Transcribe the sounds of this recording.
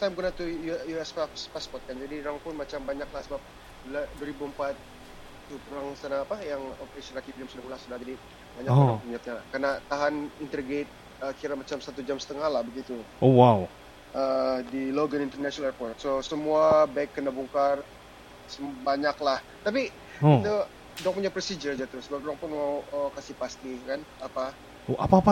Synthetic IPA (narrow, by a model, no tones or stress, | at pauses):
st̪ajmkunat̪ujujuɛspafspaspɔt̪̚kand͡ʒadiɾaŋpʊnmat͡ʃambaɲaklahsəbap̚ | uladuaɾibuəmpat̪̚ | tːupuɾaŋsanaːpajaŋopɾesiɾakipiamsudahmulahsudahd͡ʒadi | maɲakat̪uɲat̪̚ɲalahkarnat̪aɦanint̪ərɡet̪̚ | əkiɾamat͡ʃamsat̪ud͡ʒamsə̥t̪əŋahlahbəɡit̪uowaw | ədiloɡənint̪ərnaʃɔnalɛrpɔrt̪̚sosəmuabaɪkːənabuŋkar | səbaɲaklah | t̪api | it̪u | dɔŋpuɲapɾəsid͡ʒərd͡ʒat̪əɾʊslokɾaŋpʊnmawəkasipast̪ikanapa | oʔapapa